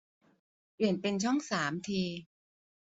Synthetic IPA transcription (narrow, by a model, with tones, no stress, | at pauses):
pli˨˩ənpe˧nt͡ɕʰɔ˥˩ŋsaː˩˦mt̪ʰiː˧